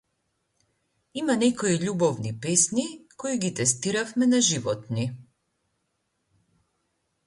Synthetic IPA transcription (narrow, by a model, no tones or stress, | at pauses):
imanɛkɔiʎubɔvnipɛsnikoiɡit̪ɛst̪iɾafmɛnaʒivɔt̪ni